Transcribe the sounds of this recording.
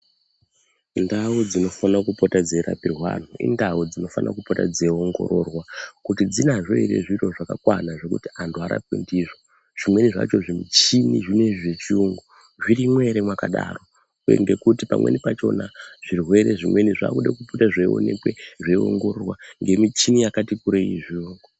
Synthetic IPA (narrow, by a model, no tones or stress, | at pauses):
ndaud͡zino̞fanakupotad͡zeɾa̰pirwa̰n̤uḭndaud͡zino̞fana̰kupotad͡zeo̞ŋɡo̞̰ɾo̞rwakutid͡zinaʐo̞iɾe̞̰ʐiro̞ʐakakwanaʐe̞kutiantʰuaɾa̰p̚wḛndiʐo | ʐ̥imwe̞niʐa̰t͡ʃo̞ʐimit͡ʃiniʐine̞ʐet͡ʃiuŋɡu | ʐiɾimwe̞ɾemwakaɗa̰ro̞ | ḛŋɡe̞kutipamwe̞̰nipat͡ʃo̞naʐ̥irwe̞ɾeʐimwe̞niʐa̰kuɗakuputaʐeio̰ne̞̰kweʐeio̰ŋɡo̞rorwa̰ŋɡe̞mit͡ʃinijakatikuɾeiʐiuŋɡu